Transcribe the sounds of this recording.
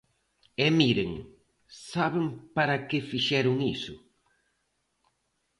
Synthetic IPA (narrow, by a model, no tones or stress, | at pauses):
ɛmiɾeŋ | saβeŋpaɾɐkɪfiʃɛɾʊŋisʊ